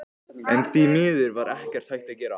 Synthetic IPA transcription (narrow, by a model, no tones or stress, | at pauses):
ɛnθinɪːðʏɾvaɾɛhcɛr̥t̪hajht̪acɛːɾa̰